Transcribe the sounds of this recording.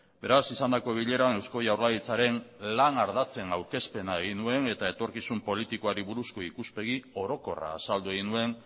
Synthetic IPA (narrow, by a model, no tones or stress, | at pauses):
be̞ɾasisand̪ako̞β̞iʎe̞ɾane̞wsko̞jawɾlaðit͡saɾe̞nlanaɾðat͡se̞nawɾke̞spe̞naeɣ̞inue̞ne̞t̪ae̞t̪o̞ɾkisumpo̞lit̪iko̞aɾiβuɾusko̞ikuspe̞ɣ̞io̞ɾo̞ko̞ra̰ːsald̪ue̞ɣinue̞n